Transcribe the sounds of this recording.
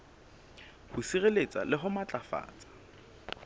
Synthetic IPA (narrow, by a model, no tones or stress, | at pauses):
hʊsiɣelet͡sʼalɪɦʊmat͡ɬʼafa̰ːt͡sʼḁ